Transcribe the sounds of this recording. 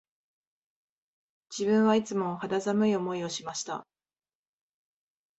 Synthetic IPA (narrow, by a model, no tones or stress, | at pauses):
d͡ʑ̥ibɯ̟̃ɰ̃βait͡sɨmo̞had̪azamɯ̟io̞mo̞io̞ɕimaɕi̥t̪a̰